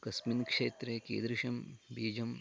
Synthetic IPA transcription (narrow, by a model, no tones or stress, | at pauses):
kɐsminkʂeːt̪ɾekḛːd̪ɾiʃɐmbiːd͡ʒɐm